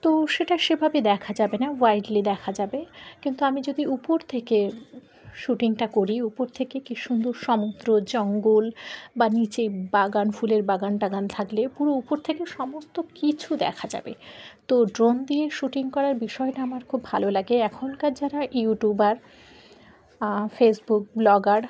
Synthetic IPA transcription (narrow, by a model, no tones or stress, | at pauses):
t̪oʃeʈaʃebʱabed̪ɛkʰad͡ʑabenawajɖlid̪ɛkʰad͡ʑabekint̪uamid͡ʑod̪iupoɾt̪ʰeke | ʃuʈiŋʈakoɾiupoɾt̪ʰekekiʃund̪oɾʃɔmud̪ɾod͡ʑɔŋɡolbanit͡ɕebaɡanfuleɾbaɡanʈaɡant̪ʰaklepuɾoupoɾt̪ʰekeʃɔmost̪okit͡ɕʰud̪ɛ̰kʰad͡ʑa̰bet̪oɖɾond̪ieʃuʈiŋkɔɾaɾbiʃɔeʈaamaɾkʰubːʱalolaɡeɛkʰonkaɾd͡ʑaɾajiuʈubaɾ | fesbuk̚blɔɡaɾ